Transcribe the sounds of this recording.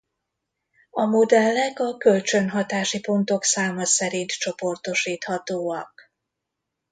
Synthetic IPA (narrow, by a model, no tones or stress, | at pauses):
ɒmod̪ɛlːɛkɒkølt͡ʃø̞nɦɒt̪aːʃipo̞nt̪o̞ksaːmɒsɛɾint̪t͡ʃo̞po̞rt̪o̞ʃiːt̪hɒt̪oːɒk̚